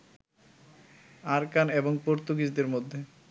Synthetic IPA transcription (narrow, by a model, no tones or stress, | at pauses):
aɾkaneboŋpoɾt̪uɡid͡ʑd̪eɾmod̪ʱːe